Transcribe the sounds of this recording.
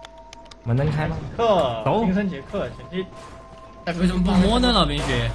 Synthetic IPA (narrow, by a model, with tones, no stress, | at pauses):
mə˧˥nt̪ə˥ŋkʰa˥m˧i˧˥kʰɤ˥˩o˧˥˧ŋʂ̬ʰə˥nt͡ɕʰɛ˧˥kʰɤ˥˩t͡ɕʰi˧˥t͡ɕʰi˥ | a˥˧˩ʂə˧m˧˥p̬u˥˧m˧wɔ˥nə˨lɑ˨˩ʊpʰi˧˥ŋɕɥɛ˧˥